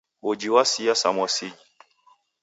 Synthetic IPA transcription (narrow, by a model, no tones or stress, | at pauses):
wod͡ʒiwasijasa̰mwasid͡ʒi